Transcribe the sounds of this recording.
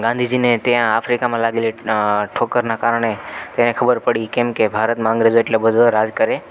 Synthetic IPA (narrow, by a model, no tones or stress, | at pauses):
ɡãnd̪ʱid͡ʒinet̪ejãafɾikamãlaɡeliʈʰokəɾnakaɾəɳ̃et̪enekʰəbəɾpəɽikemkebʱaɾət̪mãə̃ŋɡɾed͡ʒoeʈlebəd̪ʱoɾad͡ʒkəɾe